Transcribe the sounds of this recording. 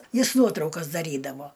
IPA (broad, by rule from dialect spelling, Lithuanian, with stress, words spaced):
ˈjɪs ˈnuɔtrɐʊkɐs dɐˈrʲiːdɐʋoː